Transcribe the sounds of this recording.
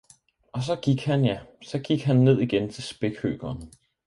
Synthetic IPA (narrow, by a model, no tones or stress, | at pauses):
ɒ̽s̬ɒ̽ɡ̥iɡ̥hænjæsɒ̽ɡ̥iɡ̥ɦænːe̝ð̞̰ˠiɡ̥ent͡sʰe̝lsb̥e̝ɡ̥hø̰ːɡ̥ɐːn